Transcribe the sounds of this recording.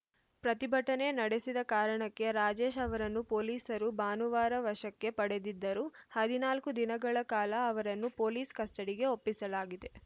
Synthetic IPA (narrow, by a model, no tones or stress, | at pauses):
pɾɐt̪ibʱɐʈɐne̞nɐɽe̞sid̪ɐkaːɾɐɳɐkːe̞ɾaːd͡ʒe̞ːʃɐʋɐɾɐnːupo̞ːliːsɐɾubaːnuʋaːɾɐʋɐʂɐkːe̞pɐɽe̞d̪id̪ːɐɾuhɐd̪inaːlkud̪inɐɡɐɭɐkaːlɐːʋɐɾɐnːupo̞ːliːskɐsʈɐɽiɡe̞o̞pːisɐlaːɡid̪e̞